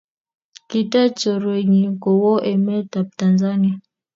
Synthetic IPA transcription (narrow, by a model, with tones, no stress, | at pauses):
ki˦ta˦t͡ʃɔ˨ɾwe˨ɲi˨kɔ˨wɔ˦ʔɛ˨mɛ˦ta˨p̚ta˨nza˦ni˦a˨